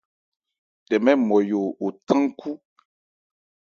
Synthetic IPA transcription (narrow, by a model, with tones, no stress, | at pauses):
ɖɛ˨mɛ̃˦mɔ̃˨jo˨wo˨t̪ã˦ŋ˦kʰu˦